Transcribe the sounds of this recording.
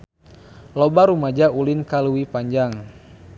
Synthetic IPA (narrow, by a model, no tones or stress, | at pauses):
lɔbaɾumad͡ʒaulinkaluwipaɲd͡ʒaŋ